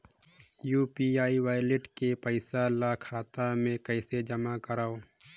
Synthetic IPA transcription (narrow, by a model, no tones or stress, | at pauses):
juːpiaːiʋaːjlɪʈkepəɪsalakʰaːt̪amẽkəɪsed͡ʒəmakəɾaːoː